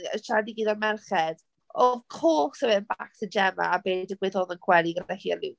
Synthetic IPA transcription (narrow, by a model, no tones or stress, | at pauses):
ə̰ʃʰadiɡiːðarmɛrχɛd̥ | ɔvkʰoːsəvɛnbaksəd͡ʒɛma̰ːbeːdəɡwɛðoːðənkʰwɛlˠiɡədahiɛlɪ